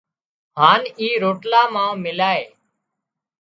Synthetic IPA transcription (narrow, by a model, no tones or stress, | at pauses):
ɦaːniːɾoːʈlaːmãːmɪlaːeː